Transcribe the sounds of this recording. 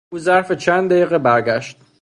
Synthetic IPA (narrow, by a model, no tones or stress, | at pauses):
uːzæɾfet͡ʃʰænd̪d̪æjiːɣebæɾɡæʃt̪